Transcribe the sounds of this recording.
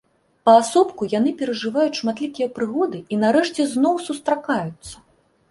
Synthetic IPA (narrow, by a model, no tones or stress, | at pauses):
pɐːsɔpkujan̪ɨpʲɛɾɐʐɨvajut͡sʲʂmat̪lʲikʲijɐpɾɨɣɔd̪ɨinaɾɛʂt͡sʲɛznɔwsust̪ɾakajut̪sːɐ̥